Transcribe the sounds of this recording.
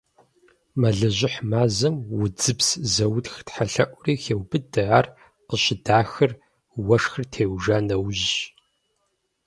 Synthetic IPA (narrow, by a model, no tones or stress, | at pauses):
mɐɮɐʑʷɪħmaːzɐmwʊd͡zɨpszɐwtxtħaɬɐʔʷʊriːxeːwbɨdɨʕar | qəɕɪdaːxɨr | wɐʂxɨrtʰeːwʒaːnɐwʑɕ